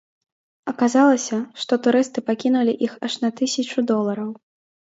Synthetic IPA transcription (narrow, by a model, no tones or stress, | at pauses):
ɐkazalˠɐsʲɐʂt̪ɔt̪uɾɨst̪ɨpakʲinulʲiʔixɐʂnɐt̪ɨsʲɐt͡ʂud̪ɔlˠɐɾɐw